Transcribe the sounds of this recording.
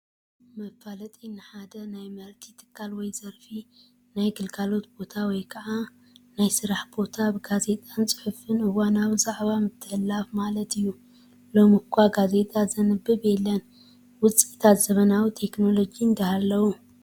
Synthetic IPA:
mɐfːalɐt̪ʼejnaħad̪ɐnajmɐɾt̪ʰit̪ʰɨ̥kʰːalwɔjzɐɾfi | najɡɨlkʰalo̞t̪b̥o̞t̪ʰawɔjkʰɐʔa | najsɨɾaħbo̞t̪ʰabɨɡaze̞t̪ʼant͡sʼɨ̥ħɨfɨnɨwanawzaʕβamɨt̪ʰːɨħɨlːafmalɐt̪ɨjːu | lo̞mɨkʰʷːaɡaze̞t̪ʼazɨnɨbːɨbɛlːɐn | wʊt͡sʼit̪ʰat̪z̥ɐβɐnawit̪ʰe̞kno̞lo̞d͡ʒind̪ɐhalːɐwu

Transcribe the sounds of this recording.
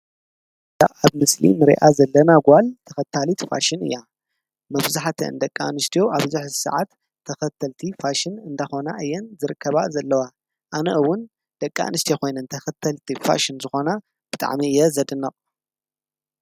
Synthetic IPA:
a̰aβmɨslḭmɨɾḭʔazɐlːɐnaɡʷalt̪ʰɐxɐt̪ʰːalit̪fa̰ʃɪnɨ̰jːa | mɐβzaħt̪ʰɐ̰ɨ̰nd̪ɐkʼːa̰nɨst̪ʰijo̞ʔaβzuħzsɐ̰ʕat̪ʰː | ɐxɐt̪ʰːɐlt̪ʰifaʃɪnɨnd̪axo̞na̰ʔɨjːɛnzɨɾɨkʰːɐβazɐlːɐwa | ʔanɐʔɨwːʊn | d̪̥ɐkʼːa̰nɨst̪ʰijokʰo̞jnɐnt̪ʰɐxɐt̪ʰːɐlt̪ʰifa̰ʃɪnzɨxo̞na | b̥ɨt̪ʼa̰ʕmiɨjɛzɐd̪ɨnɐχʼ

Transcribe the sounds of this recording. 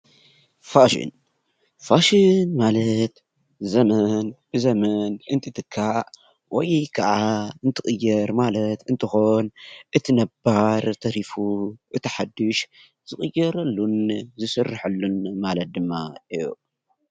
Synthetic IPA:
faʃḭn | faʃinmalɐt̪ | zɐmɐnb̥ɨzɐmɐnɨnt̪ʰɨt̪ʰɨkʰːaʔ | wɔjkʰɐʕaɨnt̪ʰɨxʼɨjːɐɾmalɐt̪ɨnt̪ʰɨxo̞nʔɨt̪ʰinɐbaɾt̪ʰɐɾifuʔɨt̪ʰiħad̪ɨʃ | z̥ɨxʼɨjːɐɾɐlːunzɨsɨrːɨħɐlːunmalɐt̪̚d̪ɨmːaʔɨju

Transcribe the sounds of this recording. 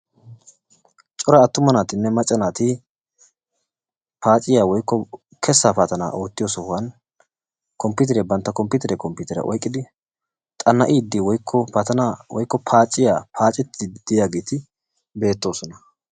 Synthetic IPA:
t͡ʃʼɔɾɐːt̪ːʊmɐnaːt̪ɪnːɛmɐt͡ʃʼːɐnaːt̪i | paːt͡ʃʼːɪjaːwɔjkːɔ | kʰɛsːaːpaːt̪ɐna̰ːʔo̞ːt̪ːɪjo̞ːsɔhʊwɐn | kʰɔmpːɪt̪̬ɛɾɛbɐnt̪ːɐkɔmpɪt̪ɛɾɛkɔmpɪt̪ɛɾɐ̰ʔɔ̰jkʼːɪd̪ɪ | t̪ʼɐnːɐʔiːd̪ːɪwɔjkʰːɔt̪ɐnawɔjkːɔpʰaːt͡ʃʼːɪjaːpʰaːt͡ʃʼɪt̪ːd̪̥ɪjaːɡeːt̪ɪ | be̞ːt̪ːo̞ːsɔnɐ

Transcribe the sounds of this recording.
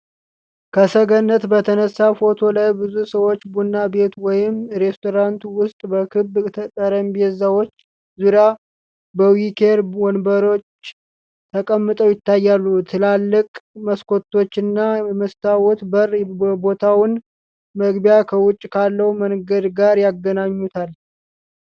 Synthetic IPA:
kʰəsəɡənːət̪bət̪ʰənəsːafo̞t̪ʰo̞lajbɨzusəwo̞t͡ʃːbunːabe̞t̪wɔjɪmɾe̞st̪ʰo̞ɾant̪uwʊst̪ʼbəkʰɨbt̪ʰət̪ʼəɾəmbiɛzawot͡ʃː | zuɾja | bəwikʰe̞ɾwɔnbəɾo̞t͡ʃ | t̪ʰəkʼəmːɨt̪ʼəwjɪt̪ʰːajːalːut̪ʰɨlalːɨkʼməskʰo̞t̪ːo̞t͡ʃːɨnːaməst̪ʰawɔt̪bərəbot̪ʰawʊn | məɡbjakʰəwʊt͡ʃʼːkʰalːəwmənɡəd̪ɡaɾjaɡːənaɲːut̪ʰal

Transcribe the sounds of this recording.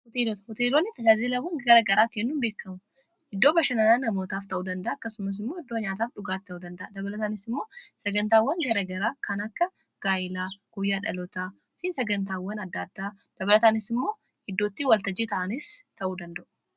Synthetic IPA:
hʊt̪eːlot̪hɔt̪eːloːnːɪt̪ɐd͡ʒaːzeːlɐwːɐŋɡɐɾɐɡɐɾaːkenːunbeːkːɐmʊ | ɪd̪ːo̞ːbɐʃɐnɐlanːɐmoːt̪aːft̪ɐʔuːd̪ɐnd̪ɐʔaːɐkːɐsʊmɐs̬ɪmːoːɪd̪ːoːɲaːt̪aːfᶑʊɡaːt̪ːɐʔuːd̪ɐnd̪ɐʔad̪ɐβɐlɐt̪anɪsɪmːo̞ːsɐɡɐnt̪aːwːɐnɡɐɾɐɡɐɾaːkɐnɐkːɐ | ɡ̥aːjɪlaːɡ̥ʊjːaːᶑɐlɔt̪aː | fɪnsɐɡɐnt̪aːwːɐnɐd̪ːaːd̪ːaːd̪̥ɐβɐlɐt̪anɪsɪmːo̞ː | hɪd̪ːoːt̪ːɪwɐlt̪ɐd͡ʒit̪ɐʔɐnɪst̪ʰɐʔuːd̪ɐnd̪ɐʔʊ̥

